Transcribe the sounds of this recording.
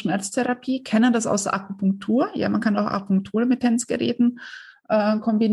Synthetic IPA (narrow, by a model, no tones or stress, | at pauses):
ʃmɛɐt͡stʰɛʁapʰiːkʰɛnəndasa̰ʊsd̥ɐʔakupʊŋk̚tʰuːɐja̰ːmankʰanaʊxʔa̰pʊŋk̚tʰuːʁəmɪtʰːɛnt͡sɡ̥ə̰ʁɛ̰ːtn̩ | ʔɛːkʰɔmbin